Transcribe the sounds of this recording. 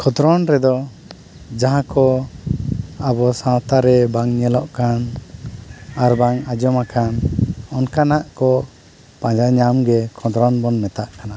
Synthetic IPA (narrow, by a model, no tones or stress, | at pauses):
kʰɔd̪ɾɔnɾɛd̪ɔ | d͡ʒaɦãkɔ | abɔsãwt̪aɾɛbaŋɲɛlɔʔkan | aɾbaŋad͡ʒɔmakanɔnkanaʔkɔ | pãd͡ʒaɲamɡɛkʰɔd̪ɾɔnbɔnːɛt̪aʔkana